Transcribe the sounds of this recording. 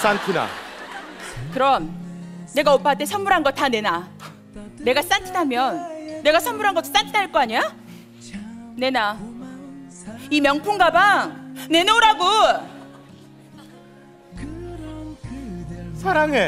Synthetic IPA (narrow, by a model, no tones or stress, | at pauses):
s͈antʰɯna̰ | kɯɾʌmne̞ɡaopʰat͈ʰe̞sʰʌnmːuɾɦanɡʌt̚tane̞na | ne̞ɡas͈antʰinɦamjʌnːe̞ɡasʰʌnmuɾɦanɡʌt͈o̥s͈antʰinɦaɭk͈ʌaɲia | ne̞na | imjʌŋpʰuŋɡabane̞neoɾaɡo | sʰaɾaŋe